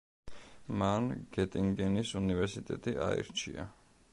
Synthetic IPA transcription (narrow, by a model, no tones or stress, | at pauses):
manɡ̥ɛt̪ʼiŋɡɛnisunivɛɾsit̪ʼɛt̪ʼiʔa̰ḭɾt͡ʃʰḭa̰